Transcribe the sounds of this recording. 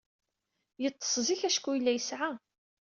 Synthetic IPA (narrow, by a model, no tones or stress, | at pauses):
jət̪ˤːə̥sˤziçæʃkʷːujilːæjəsʕa